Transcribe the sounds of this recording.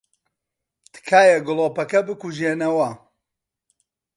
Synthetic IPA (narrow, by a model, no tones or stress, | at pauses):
t̪ʰɨ̥kʰaːjɐɡɨlˠoːpɐkɐbɨkuʒeːnɐwɐ